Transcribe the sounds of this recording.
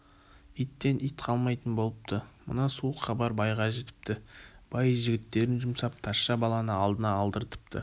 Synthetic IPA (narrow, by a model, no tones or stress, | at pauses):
ijt̪ːe̞nʔijt̪qʰɑlˠmɑjt̪ənbo̞lˠəp̚t̪ʰəmə̰nɑsuəqχɑbɑɾbɑjʁɑʒe̞t̪ɪ̥p̚t̪ɪb̥ɑjʒɪɡʲɪt̪ːe̞ɾɪnʒʊmsɑp̚t̪ʰɑsʃɑbɑlˠɑnəɑlˠd̪ənɑːlˠd̪əɾt̪ʰə̥p̚t̪ʰə̰